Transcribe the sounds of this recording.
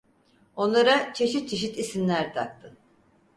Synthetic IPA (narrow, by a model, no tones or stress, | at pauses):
o̞nlˠaɾat͡ʃʰe̞ʃit̪̚t͡ʃʰe̞ʃit̪isimlʲæɾt̪ʰak̚t̪ʰɯ